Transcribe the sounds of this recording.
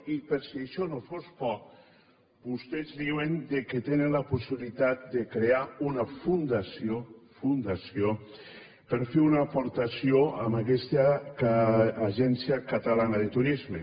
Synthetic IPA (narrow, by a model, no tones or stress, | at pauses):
ipeɾsiaʃɔnofospɔ | bust̪ezðiwend̪eket̪enenlapusiβlit̪at̪̚d̪ekɾeaunafund̪asjofund̪asjo | peɾfeunaːpoɾt̪asioamakɛst̪a | ʒɛnsjakat̪alanaðet̪uɾizme